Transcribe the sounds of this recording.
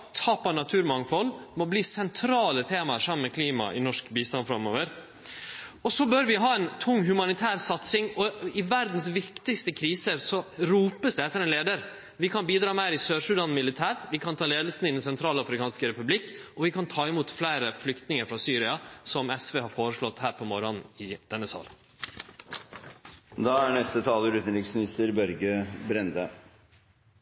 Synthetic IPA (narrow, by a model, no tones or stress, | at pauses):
t̪ʰɑːpɔnɑt̪ʰʉːɾmɑŋfɔlːmɔbliːsɛnt̪ʰɾɑːlət̪ʰeːmɑəɾʂɑmənmɛkʰliːmɑ̰ʔɪ̰nɔʂkbiːst̪ɑnfɾɑmo̰ːʋəɾ | ɔsɔbøɾʋɪɦɑːɛnt̪ʰʊŋːɦʉmɑnɪt̪ʰæːɾsɑt̪sɪŋɔɪʋæɾd̪n̩sʋɪkt̪ɪkst̪əkʰɾiːsəɾsɔɾuːpəsd̪ɛɛt̪ːəɾɛnleːd̪əɾ | ʋɪkʰɑnbiːd̪ɾɑːmæɪɾɪsøːʂʉd̪ɑnmɪlɪt̪ʰæːɾt̪ʋɪkʰɑnt̪ʰɑːleːd̪əlsn̩ɪd̪ɛnsɛnt̪ʰɾɑːlɑfɾɪkʰɑːnskəɾɛpʉblɪkːɔʋɪkʰɑnt̪ʰɑːɪmuːt̪flæɪɾəflʏkt̪nɪŋəɾfɾɑsyːɾɪɑsɔmɛsʋeːhɑɾfoːɾəʂlɔt̪ːhæːɾpʰɔmɔɾɔnɪd̪̥ɛnːəsɑ̰ːl | d̪ɑːæɳɛst̪ət̪ʰɑːləɾʉːt̪n̩ɾɪksmɪnɪst̪əɾbœɾɡəbɾɛnd̪ə